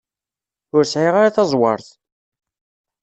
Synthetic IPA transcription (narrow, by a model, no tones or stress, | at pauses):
ʊɾsʕiʁaɾaθɑzˤwɑ̰ɾˤθ